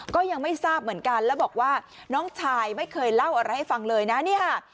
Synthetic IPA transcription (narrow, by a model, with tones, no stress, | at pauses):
kɔː˥˩ja˧ŋma˥˩jsaː˥˩p̚mɯ˩˦ənka˧nlɛː˦˥wbɔː˨˩k̚waː˥˩ | nɔː˦˥ŋt͡ɕʰaː˧jma˥˩jkʰɤː˧jla˥˩wʔa˧ɾa˧jha˥˩jfa˧ŋlɤː˧jna˦˥ni˥˩ɐkʰa˥˩